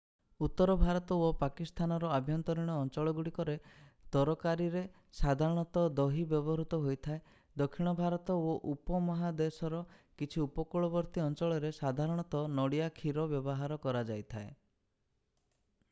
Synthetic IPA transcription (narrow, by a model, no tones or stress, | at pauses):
ut̪ːɔɾɔbʱaɾɔt̪ɔopakist̪ʰanɔɾɔabʱjɔnt̪ɔɾiɽ̃ɔːnt͡ʃɔɭɔɡuɽikɔɾet̪ɔɾɔkaɾiɾe | sad̪ʱaɾɔɽ̃ɔt̪ɔd̪ɔɦibjɔbɔɾut̪ɔɦojt̪ʰae | d̪ɔkʰːiɽ̃ɔbʱaɾɔt̪ɔoʔupɔmɔɦad̪esɔɾɔkit͡ʃʰiupɔkuɭɔbɔɾt̪iɔnt͡ʃɔɭɔɾesad̪ʱaɾɔɽ̃ɔt̪ɔnɔɽiakʰiɾɔbjɔbɔɦaɾɔkɔɾad͡ʒajt̪ʰae